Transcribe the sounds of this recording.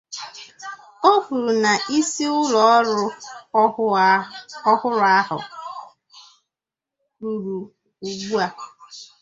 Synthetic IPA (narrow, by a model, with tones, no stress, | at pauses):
o˦fu˨ɾna˨ʔi˦si˦ʊ˦lɔ˨˦ɾʊ˦ | ɔ˦hʊ˦ɾʊ˦a˦ɦʊ̰˨ | u˨ɾu˨ | u˨ɡ͡bu˦a˨